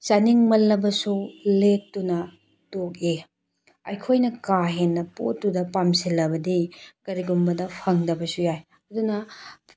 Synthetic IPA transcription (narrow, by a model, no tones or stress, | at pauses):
sɐniŋmɐlːɐbɐsulek̚tːunɐ | tok̚e | ɐ̰jkʰojnɐkaɦenːɐpo̰tːudɐpamsilːɐbɐdikɐɾiɡumbɐdɐpʰɐŋdɐbɐsujaj | ɐdunɐ